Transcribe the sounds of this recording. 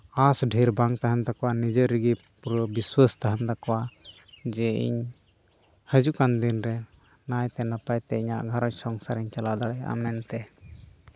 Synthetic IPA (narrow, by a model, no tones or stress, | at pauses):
asɖʱiɾbaŋt̪aɦant̪akɔwanid͡ʒəɾiɡi | pɾbiswast̪aɦant̪akɔwa | d͡ʒɛḭɲ | həd͡ʒukand̪inɾɛ | najt̪ɛnapajt̪ɛiɲa̰ʔɡʱaɾɔɲsɔŋsaɾiɲt͡ʃalad̪aɽɛa̰mɛnt̪ɛ